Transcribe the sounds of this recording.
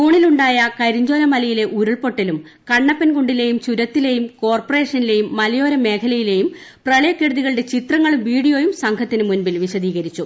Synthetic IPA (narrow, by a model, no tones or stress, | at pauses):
uːɳiluɳɖaːjɐkɐɾiɲd͡ʑo̞ːlɐmɐlɐjile̞ʔuɾuɭpo̞ʈːilum | kɐɳːɐpːɐnkuɳɖile̞jumt͡ɕuɾɐt̪ːile̞ːjumko̞ːrpore̞ːʂɐnile̞jumːɐlɐjo̞ːɾɐme̞ːkʰɐlɐjile̞ːjum | prɐɭɐjɐkːeɽɐðiɣɐɭɨɽe̞t͡ɕit̪rɐŋːɐɭumʋiːɽijo̞ːjumsɐŋkʰɐt̪ːinɨmunbilʋiɕɐðiːɣɐɾit͡ɕːu